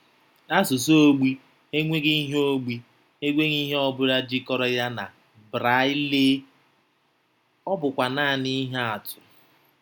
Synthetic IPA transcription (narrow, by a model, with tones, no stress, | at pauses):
a˦sʊ˨s̬o˦o˦ɡ͡bi˦ | e˦ŋʷe˦ɡi˦ɦo˦ɡ͡bi˦ | e˦ɡʷe˦ɣi˦ɦe˦ɔ˦bʊ˦ɾa˦d͡ʒi˦kɔ˦ɾɔ˦ja˦na˨ | bɾa˦ɪ˦le˦ | ɔ˦bʊ˨kʷa˨naː˦˨ni˦ɦe˦a˨tʊ˨